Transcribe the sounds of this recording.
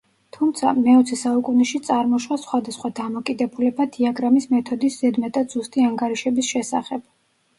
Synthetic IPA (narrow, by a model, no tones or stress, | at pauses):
t̪ʰumt̪sʰa̰mɛɔt̪sʰɛsaukʼunɛʃit̪sʼaɾmɔʃwasχwad̪asχwad̪amɔkʼid̪ɛbulɛbad̪iaɡɾamismɛt̪ʰɔd̪isz̥ɛd̪mɛt̪ʼad̪z̥ust̪ʼiaŋɡaɾiʃɛbisʃɛsa̰χɛb̥